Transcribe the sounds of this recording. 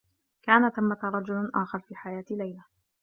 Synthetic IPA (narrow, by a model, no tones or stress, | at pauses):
kaːnat̪amːat̪aɾˤɑd͡ʒʊlʔaːxɑɾˤfiːħajaːt̪lajla